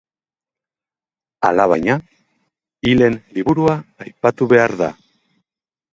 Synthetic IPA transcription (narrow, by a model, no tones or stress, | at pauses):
a̰laβajɲa | ile̞nliβuɾuaːjpat̪uβe̞aɾða̰